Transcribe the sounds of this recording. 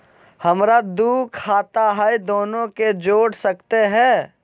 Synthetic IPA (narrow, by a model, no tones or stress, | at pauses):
hɐmɾad̪uːkʰaːt̪aɦajd̪oːnõked͡ʒoːɽsɐkt̪eɦɛ̃ː